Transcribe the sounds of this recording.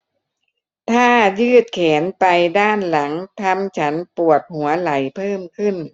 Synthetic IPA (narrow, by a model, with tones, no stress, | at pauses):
t̪ʰaː˥˩jɯː˥˩t̪̚kʰɛː˩˦npa˧jdaː˥˩nla˩˦ŋt̪ʰa˧mt͡ɕʰa˦˥npu˨˩ət̪̚hu˩˦ɐla˩˦jpʰɤː˥˩mkʰɯ˥˩n